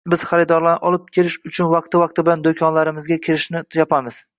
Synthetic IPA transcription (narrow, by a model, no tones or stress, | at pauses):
bɪz̥χaɾɪd̪ɒɾlanʔɒlˠɪp̚kʲʰe̞lɪʃʊt͡ʃʰʊnvɑq̚t̪ɪvɑqt̪ɪbɪland̪okʲʰɒnlaɾɪmɪzɡʲakʲʰɪɾɪʃnɪjɒpʰamɪz̥